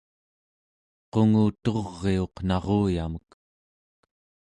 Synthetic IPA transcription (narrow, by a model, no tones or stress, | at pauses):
qo̞ŋuːt̪o̞ʁːe̞o̞qnɑʁoːja̰mək